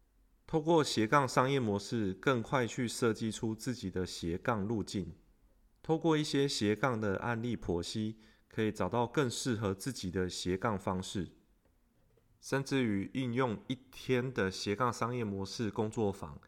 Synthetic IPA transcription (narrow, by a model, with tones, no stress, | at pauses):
t̪ʰo˥˧ʊkwɔ˥˩ɕjɛ˧˥kɑ˥˩ŋʂɑ˥ŋjɛ˥˨mwɔ˧˦ʂɻ̩˥˧˨kə˥˧ŋkʰwa˥˧ɪt͡ɕʰy˥˧ʂɤ˥˧t͡ɕi˥˨ʈ͡ʂʰu˦t͡sɹ̩˥˩t͡ɕi˨˩d̪ə˦ɕjɛ˨˦kɑ˥˧ŋlu˥˧t͡ɕi˥˩n | t̪ʰo˥˧ʊkwɔ˥˧i˥˩ɕjɛ˥ɕjɛ˨˦kɑ˥˩ŋd̪ə˩ʔa̰˥˧nli˥˩pʰwɔ˧˥ɕi˥ | kʰɤ˧˦˥i˨˩t͡sɑ˨˩ʊt̪ɑ˥˧ʊkə˥˧ŋʂɻ̩˥˨xɤ˧˦t͡sɹ̩˥˩t͡ɕi˨˩d̪ə˦ɕjɛ˨˧˦kɑ˥˩ŋfɑ˥ŋʂɻ̩˥˩ | ʂə˥˧nʈ͡ʂɻ̩˥˨y˨˩ʔy˥˧njʊ˥˧ŋi˥˩t̪ʰjɛ˦nd̪ə˨ɕjɛ˧˦kɑ˥˩ŋʂɑ˥ŋjɛ˥˩mwɔ˧˥ʂɻ̩˥˩kʊ˦ŋt͡swɔ˥˩fɑ̰˨˦ŋ